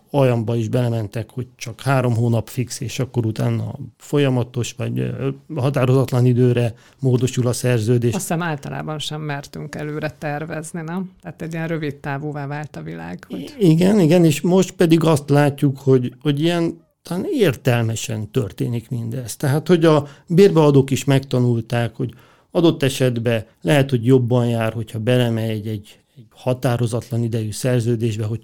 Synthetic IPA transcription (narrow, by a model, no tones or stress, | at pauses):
ɒjɒmbɒiʒbɛlɛmɛnt̪ɛkho̞ɟ̚t͡ʃɒkhaːɾo̞mɦoːnɒpfikseːʃɒkːo̞ɾut̪a̰ːnːɒ̰fo̞jɒmɒt̪o̞ʃʋɒ̰ɟɦɒt̪aːɾo̞zɒt̪lɒnid̪øːɾɛ | moːd̪o̞ʃulɒsɛrzøːd̪eːʃsɛmaːlt̪ɒlʔa̰ːbɒnʃɛmːɛrt̪yŋkɛløːɾɛt̪ɛrvɛzninɛmt̪ɛːt̪ɛɟːijɛnrøvit̪ːaːvoːvaːvaːlt̪ɒvila̰ːɡho̥iɡɛniɡɛneːʃmo̞ʃt̪̚pɛd̪iɡɒst̪laːcːukho̞ɟho̞ɟijɛn | t̪ɒlaːneːrt̪ɛlmɛʃɛ̰nt̪ø̰rt̪eːnikmind̪ɛst̪ːɛɦaːt̪ho̞ɟɒbeːrbɛɒd̪oːkiʃmɛkt̪ɒnult̪aːkho̞ɟ | ɒd̪o̞t̪ːɛʃɛd̪bɛ | lɛɦɛt̪ho̞ɟjo̞bːɒnjaːrho̞chɒbɛlɛmɛɛɟɛɟ | ɛɟ̥hɒt̪aːɾo̞zɒt̪lɒnid̪ɛjysɛrzøːd̪eːʒbɛɦo̞